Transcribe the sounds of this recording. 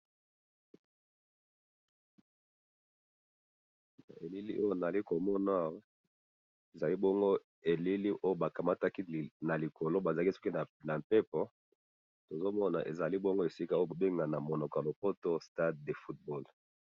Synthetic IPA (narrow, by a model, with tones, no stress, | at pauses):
na̰˨e˨li˦lḭ˦ʔo˦jo˦˨na˨li˦ko˨mɔ˦na˦˨wa˦ | e˨za˨li˦bɔ˦ŋɡo˦ | e˨li˦li˦ʔo˦jo˦ba˨ka˨ma˦ta˦ki˦˨na˨li˨ko˨lo˦ba˨za˨˦ki˦so̥˦ki˦˨na˨mpe˦pɔ˦ | to˨zo˦mɔ˦na̰˨ʔḛ˨za˨li˦bɔ˦ŋɡo˦e˨si˦ka˦o˦o˦bo˨be˦ŋɡa˨na˨mo˨nɔ˨ka˨lo˨po˦to˦sta˦dde˨fu˦t̚bɔ˦˨l